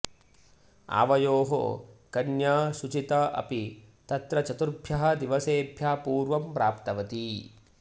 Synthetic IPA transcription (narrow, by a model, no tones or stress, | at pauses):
a̰ːʋɐjoːɦo̰kɐnjaːʃut͡ʃit̪ɐʔɐ̰pit̪ɐt̪ɾɐt͡ʃɐt̪uɾbʱjɐɦɐ̆d̪iʋɐseːbʱjaːpuːɾʋɐmpɾaːpt̪ɐʋɐt̪i